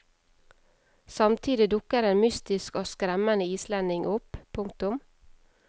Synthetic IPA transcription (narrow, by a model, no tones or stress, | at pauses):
sɑmt̪ʰiːd̪ɪd̪ʊkəɾeːnmʏst̪ɪskoːskɾɛmənəiːslɛnɪŋʔʊppʰʊŋk̚t̪ʊm